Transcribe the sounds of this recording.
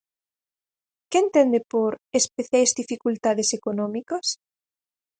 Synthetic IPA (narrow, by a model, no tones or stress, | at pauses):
kent̪end̪epoɾespeθjajzðifikult̪aðesekonɔ̃mikos